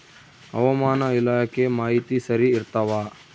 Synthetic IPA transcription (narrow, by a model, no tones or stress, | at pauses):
ɐ̰ʋɐmaːnɐilaːɐkemaːɦit̪isɐɾiːɾt̪ɐʋaː